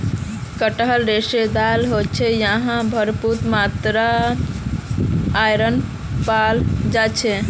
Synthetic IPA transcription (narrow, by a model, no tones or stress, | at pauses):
kəʈɦəlɾesed̪alɦot̚t͡ʃʰɛjəɦãbʱəɾput̪mat̪ɾa | jɾən | pald͡ʒat͡ʃʰɛ